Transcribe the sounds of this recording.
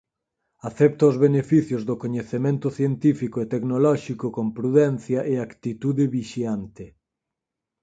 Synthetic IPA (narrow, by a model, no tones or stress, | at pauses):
aθɛp̚t̪ɐozβenefiθjʊzðʊkoɲeθemẽnt̪ʊθjent̪ifikoet̪eknolɔʃikokompɾuðɛn̟θjɐʔeakt̪it̪uðɪβiʃjant̪ɪ